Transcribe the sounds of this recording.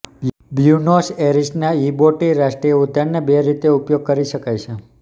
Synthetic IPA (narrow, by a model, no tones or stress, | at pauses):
bjunoseɾisnaiboʈiɾaʃʈɾieut̪ənːebeɾit̪eupjoɡ̚kəɾiʃəkajt͡ʃʰe